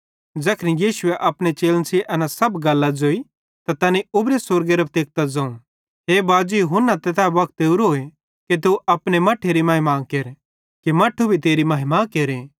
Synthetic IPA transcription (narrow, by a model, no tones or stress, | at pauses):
d͡ʒɐkʰnijiːsʊeʔɐpɽ̃et͡ʃeːlnsʰiʔɐnasɐbɡɐlːad͡zoːi | t̪at̪ɐniʊbɾesʊɾɡeɾɐpʰt̪eːk̚t̪ɐd͡zɐ̃ũ | ɦeːbaːd͡ʒujɦʊnːat̪ɛt̪abɐk̚t̪eʊɾoːe | ket̪uʔɐpɽ̃emɐʈʰːeɾimɐɦɪmaːkeːɾ | kimɐʈʰːubʱit̪eːɾimɐɦɪmakeːɾeː